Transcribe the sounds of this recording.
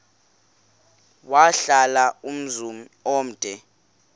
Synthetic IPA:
waɬalaum̩zumi | ɔm̩d̥ʱɛ

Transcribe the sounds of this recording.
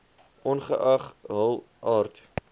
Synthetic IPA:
ʔɔnχəʔɐχɦəlˠ | ʔɑːrt

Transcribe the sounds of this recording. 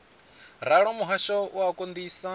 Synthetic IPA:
ɾaɺɔmuɦaʃɔʔuakʼond̪iːsa

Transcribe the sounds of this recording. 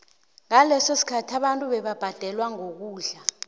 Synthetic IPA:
ŋalɛsosi̥kʰatʰaɓantʼuɓɛɓab̥ʱad̥ʱɛlwaŋok̬uːɮa

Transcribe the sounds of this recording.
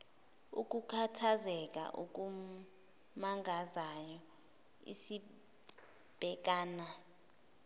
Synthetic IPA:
ṵk̬ʼukʰatʰazɛk̬ʼa̰ʔṵk̬ʼu | maŋʱazajɔ | ḭsi | b̥ʱɛk̬aːna

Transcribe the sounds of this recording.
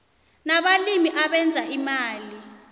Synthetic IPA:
naɓalimiʔaɓɛnd͡zʱaʔimaːli

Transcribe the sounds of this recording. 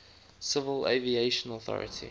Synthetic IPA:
sɪvəlḛvieɪʃə̃nɔθɔ̰ɹə̰tʰḭ

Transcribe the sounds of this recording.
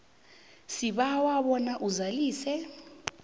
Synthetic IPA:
siɓawaɓɔnaʔuzaliːsɛ

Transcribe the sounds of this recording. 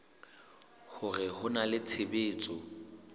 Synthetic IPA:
hʊrɪhʊnalɪt͡sʰebeːt͡sʼɔ

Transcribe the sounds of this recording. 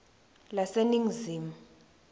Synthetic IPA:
laseniŋziːmu

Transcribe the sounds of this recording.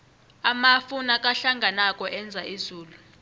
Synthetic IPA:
amafunak̬ʼaɬaŋɡʱanakʼɔʔɛnd͡zʱaizuːlu

